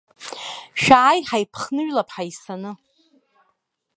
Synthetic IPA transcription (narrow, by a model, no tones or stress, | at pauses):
ʃᶣaːjħajpʰχnɨɥlapʰħajsanɨ